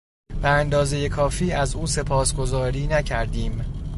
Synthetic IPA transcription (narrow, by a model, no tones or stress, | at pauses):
b̥eænd̪ɒːze̞je̞kʰɒːfiːæzuːse̞pʰɒːsɡo̞zɒːɾiːnæcʰæɾd̪iːm